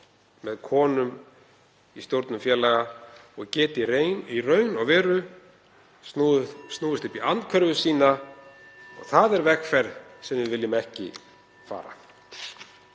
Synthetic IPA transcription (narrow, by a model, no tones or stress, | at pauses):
mɛðkʰɔːnʏm | ist̪jowɾt̪nʏmfjɛːlaɣaɔɣcɛːt̪ɪiɾeːjnirœːɥnɔɣvɛːɾʏ | st̪nuːðɪst̪ʏhpiant̪kʰœɾvʏsiːna | ɔ̰ɣθaðɛɾvɛxfɛɾsɛmðɪðvɪlːɪmɛhcɪ̰ | fa̰ːɾa̰